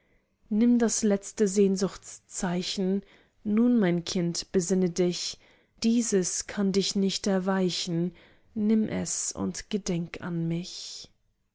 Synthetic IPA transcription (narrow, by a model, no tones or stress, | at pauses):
nɪmdaslɛt͡stəzeːnzʊxt͡st͡saɪçn̩ | nuːnmaɪnkʰɪntb̥əzɪnədɪç | d̥iːzəskʰandɪçnɪçtɛɐvaɪçn̩ | nɪmʔɛ̰sʊ̰ntɡ̥ədɛŋka̰nmɪç